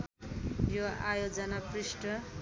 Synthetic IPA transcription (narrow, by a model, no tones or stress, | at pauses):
joa̰jod͡zʌnaprisʈʌ